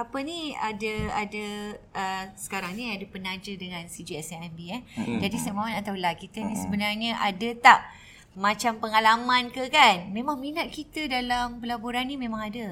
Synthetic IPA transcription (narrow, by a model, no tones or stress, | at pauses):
apəniadəadəʔəsə̥kaɾaŋniadəpənad͡ʒədəŋãnsid͡ʒiɛsɛɛmbiɛd͡ʒadisamamanat̪awlakit̪ənisəbənarɲaʔadət̪aʔ | mãt͡ʃampəŋalamãnkəkanmẽmãŋminat̪̚kit̪ədalampəlaboɾanːimẽmãŋadə